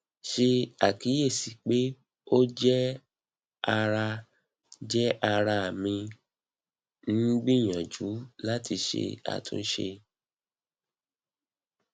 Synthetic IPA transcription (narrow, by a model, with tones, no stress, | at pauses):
ʃe˧a˨ki˨˦je˦˨si˨˦k͡pe˦ | o˦d͡ʒɛ˦ | a˧ɾa˧ | d͡ʒɛ˦ʔa˧ɾa˧a˨mĩ˧ | ñ̩˦ɡ͡bĩ˦˨j̃ã˨d͡ʒu˨˦la˦ti˧ʃḛ˧a̰˨tṵ̃˧n̩˦ʃḛ˧